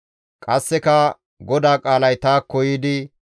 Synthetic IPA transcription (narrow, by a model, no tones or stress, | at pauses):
kʼɐsːɛkɐ | ɡɔd̪aːkʼaːlɐjt̪aːkːɔjɪd̪ɪ